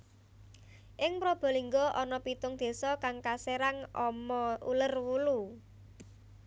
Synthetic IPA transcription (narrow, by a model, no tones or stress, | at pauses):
ʔɪŋpɾob̥ɔ̤liŋɡɔʔɔnɔpit̪ʊŋd̪̥e̤sɔkaŋkaseɾaŋʔɔmɔulərwulu